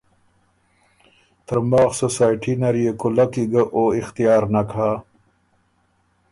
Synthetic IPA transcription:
t̪əɾmaːxsosaːjʈʰinaɾijekulakiɡaʔoːixt̪ijaːɾnakʰaː

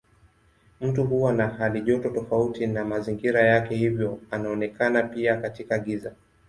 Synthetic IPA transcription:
m̩tuɦuwanaɦaliʄɔtɔtɔfautinamaziŋɡiɾajakɛhivjɔanaɔnɛkanapiakatikaɠiza

